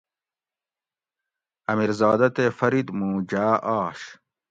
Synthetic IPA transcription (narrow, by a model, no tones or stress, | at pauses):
ɐmiɾzɑːd̪ɐt̪efɐɾid̪mũːd͡ʑaːʔɑːɕ